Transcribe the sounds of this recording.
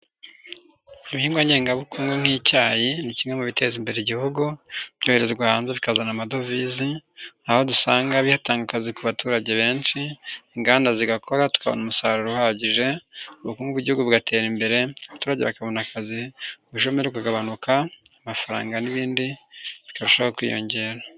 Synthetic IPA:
iβihiːmɡaɲeːŋɡaβukuːŋɡuŋ̥hicaːjinicimemuβite̞zimbe̞ɾeɟihuɡub̥ɟo̞heɾe̞zeɡwaːhaːnzeβikazanamado̞viziaho̞dusaːŋɡaβihataːŋɡakazikuβatuːɾaɟeβe̞ːnʃiːŋɡaːndaziɡakʰo̞ɾatu̥kaβo̰numusaːɾuɾuhaɟiʒe̞uβukuːŋɡuβuɟihuɡuβuɡatʰe̞ːɾimbe̞ɾe̞aβatuːɾaɟeβakaβo̞nakaziuβuʃomeɾeβikaɡaβanukʰaː | mafaɾa̰ːŋɡaniβiːndiβikaβiʃoβakwḭːjo̞̰ɲɟe̞ːɾa

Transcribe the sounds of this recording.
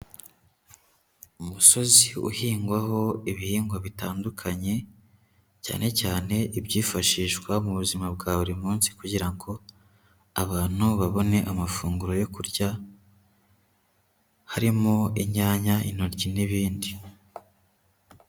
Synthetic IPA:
umuso̞ziṵhiːŋɡwaho̞iβihiːŋɡwaβitaːndukʰaɲe̞ | ca̰ːne̞caːne̞ʔibɟiːfaʃiːʃkwamuβuzimabɡaːβuɾimuːnsi̥kuɟiɾaŋɡo̞ | aβaːn̥huβaβo̞ne̞ʔamafuːŋɡuɾo̞jo̞kuɾɟa | haɾimoiɲaːɲaʔḭno̞ɾɟiniβiːndi

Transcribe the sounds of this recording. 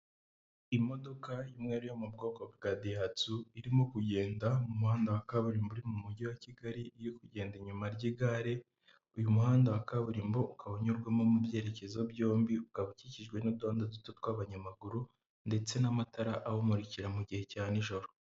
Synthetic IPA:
imo̞do̞kajumŋe̞ːɾujomubɡo̞ːko̞bɡaːdijat͡suiɾimokuɟe̞ːndamumuhaːndawakaβuɾimbuɾimumuɟiwaciɡaɾiːjikuɟe̞ːndiɲumaɾɟiɡaɾe̞ | ujumuhaːndawakaβuɾimboukaβoɲuɾɡwamomubje̞ːɾe̞ce̞zo̞bɟo̞ːmbiukaβuciciʒɡwe̞nuduaːndazutotkwaβaɲamaɡuɾu | nde̞t͡se̞namataɾaʔahomuɾiciɾamuɟihe̞caːniʒo̞ɾo

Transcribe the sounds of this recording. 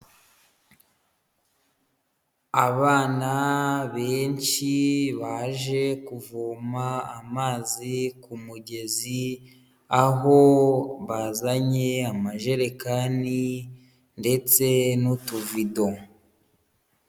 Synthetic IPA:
aβaːnaβe̞ːnt͡ʃiβaʒe̞kuvumaamaːzikumuɟe̞zi | aɦo̞βazaɲe̞amaʒe̞ɾekani | nde̞t͡se̞nutuvido

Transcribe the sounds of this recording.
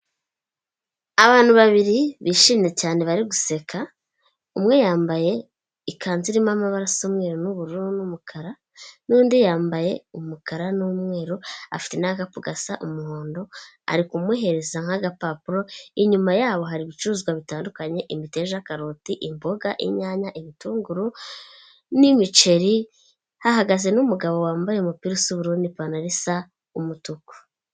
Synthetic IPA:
aβaːn̥huβaβiɾiβiːʃiːmɲe̞caːne̞βaɾiɡuse̞kʰa | umŋe̞jaːmbaje̞ | ikʰaːnziɾimamaβaɾasomŋe̞ːɾonuβuɾuɾonumukʰaɾa | nuːndijaːmbaje̞umukaɾanumŋe̞ːɾoa̰fi̥tenaːkapuɡasaʔumuho̞ːndo̞ | a̰ɾikumwiɦe̞ɾe̞zaŋ̥haɡapapuɾo̞iɲumajaːβo̞ɦaɾiβit͡ʃuzɡwaβitaːndukaɲe̞ʔimite̞ʒakaɾotiʔimbo̞ɡaʔḭɲaːɲaʔiβituːŋɡuɾu | nimit͡ʃe̞ɾi | hahaɡaze̞numuɡaβo̞waːmbajemupiɾusuβuɾuːndipanaɾisa | umutuku̥

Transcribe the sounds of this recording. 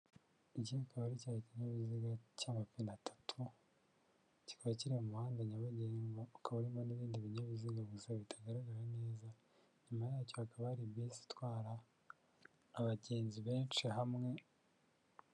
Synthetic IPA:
icinikʰaβaɾicaɾaciɲaβiziɡacaːŋɡwapinatʰḁtʰu | ci̥kaβaciɾimumuhaːndeɲaβaɟeŋɡaukʰaβaɾimaniβiːndiβiɲaβiziɡaβuziɡaβitʰaɡaɾaɡaɾane̞ːza | ɲumajaːcoakaβahɾiβjiːsi̥twaːɾa | βaɟeːnziβeːnt͡ʃiɦamŋe̞

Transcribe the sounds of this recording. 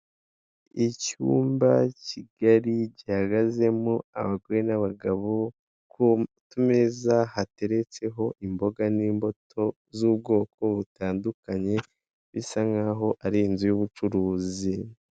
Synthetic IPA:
icṵːmbaciɡ̥aɾiɟihaɡaze̞mua̰βaɡwenaβaɡaβo̞ | k | tumezahate̞ɾe̞t͡se̞ɦo̞ʔimbo̞ɡaniːmbo̞tʰo̞ | zuːbɡo̞ːkʰo̞βutaːndukaɲe̞ | βisaŋaɦo̞ʔaɾinzijuβut͡ʃuɾuːzi

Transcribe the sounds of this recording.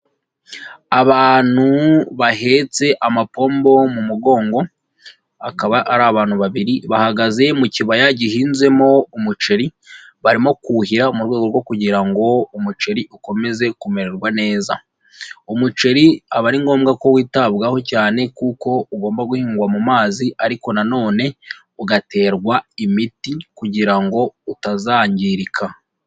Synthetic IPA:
aβaːn̥uβaɦe̞t͡se̞ʔamapo̞ːmbo̞mumuɡo̞ːŋɡo̞ | akaβaaɾaːβaːnhuβaβiɾiβahaɡaze̞muciβajaɟihiːnze̞mo̞umut͡ʃe̞ɾi | βaɾimo̞kuhiɾaumuɾɡweːɡo̞ɾɡwo̞kuɟiɾaŋɡo̞umut͡ʃeɾiʔuko̞me̞ze̞kume̞ɾeɾɡwane̞ːza̰ | umut͡ʃe̞ɾiaβaɾiŋɡo̞ːmɡako̞wiːtaβɡaho̞caːne̞kuːko̞uɡo̞ːmbaɡuhiːŋɡwamumaːziaɾiko̞nano̞ːne̞ | uɡate̞ːɾɡwaimitikuɟiɾaŋɡo̞utazaːɲɟiɾikʰa

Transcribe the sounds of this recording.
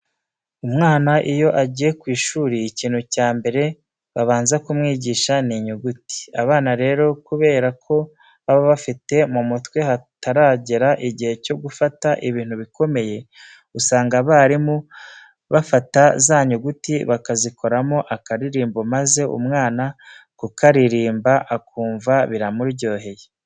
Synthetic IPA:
umŋaːnaʔijo̞ʔaɟije̞kwiːʃuːɾiːciːn̥hucaːmbe̞ɾe̞ | βaβaːnzakumŋiːɟiːʃaniɲuɡuti̥aβaːnaɾe̞ːɾo̞kuβe̞ːɾakʰo̞ | βaβaβafite̞mumutwe̞hataɾaɟeɾaʔiɟihe̞co̞ɡufataʔiβiːn̥huβiko̞me̞je̞ | usaːŋɡaβaɾimu | βafatazaːɲuɡutiβakaziko̞ɾamoʔakaɾiɾiːmbo̞maze̞ṵmŋaːnakukaɾiɾiːmbaʔakuːɱvaβiɾamuɾɟo̞ːɦe̞je

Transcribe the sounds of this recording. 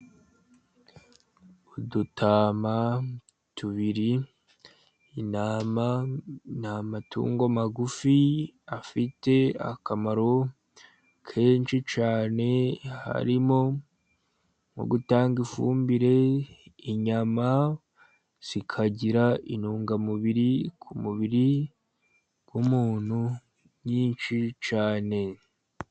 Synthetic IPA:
udutʰaːma | tuβiɾi | namanamatʰṵːŋɡomaɡufiafite̞a̰kamaɾo̞ | kʰe̞ːnʃit͡ʃaːne̞ha̰ɾimo̞ | mo̰ɡutaːŋɡifṵːmbiɾe̞iɲama | z̥ikʰaɟiɾaʔinuːŋɡamuβiɾikʰumuβiɾi | ɡ̥wumuːn̥hu | ɲiːnʃit͡ʃaːne̞

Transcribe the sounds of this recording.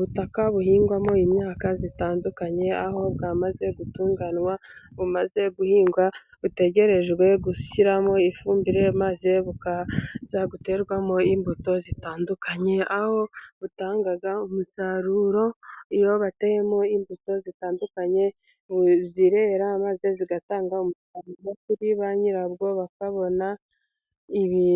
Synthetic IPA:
uβutakaβuɦiːŋɡwamo̞imɲaːkazitaːndukaɲe̞aho̞βɡamaze̞ɡutuːŋɡanwaβumaze̞ɡuhiːŋɡwa | βute̞ɟe̞ɾe̞ʒwe̞ɡuçiɾamo̞ifuːmbiɾe̞mazeβukaz̥aɡute̞ɾɡwamo̞imbuto̞zitaːndukaɲe̞aho̞βutaːŋɡaɡaumusaɾuɾo̞ijo̞βatejemoimbuto̞zitaːndukaɲe̞ | βziɾe̞ːɾamaze̞ziɡataːŋɡaumusaɾuɾo̞kuɾiβaɲiɾaβɡo̞βakaβo̞na | iβi

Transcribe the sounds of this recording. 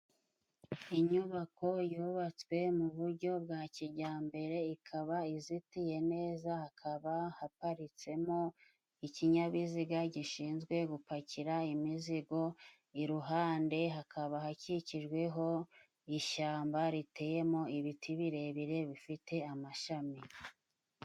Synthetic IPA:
iɲuβako̞juːβat͡swe̞muβuɾɟo̞bɡaːciɾɟaːmbe̞ɾe̞ikʰaβaizitije̞ne̞ːzahakʰaβahapaɾit͡se̞mo̞ | iciɲaβiziɡaɟiʃiːnzɡwe̞ɡupaciɾaimiziɡo̞ | iɾuɦaːnde̞ɦakʰaβaɦaciciʒɡwe̞ɦo̞ | iʃaːmbaɾite̞ːje̞mo̞iβitʰiβiɾe̞βiɾe̞βifite̞amaʃami

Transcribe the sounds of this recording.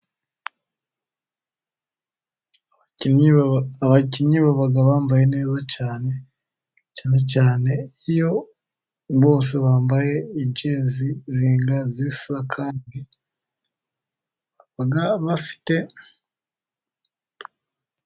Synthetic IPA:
aciɲɲiβaβaɡaβaːmbaje̞neːzacaːne̞ | caːne̞caːne̞ijo̞ | βo̞ːs̬e̞βaːmbaje̞iɟeːziziːŋɡazisiβakʰaːndi | βaɡaβafi̥te̞

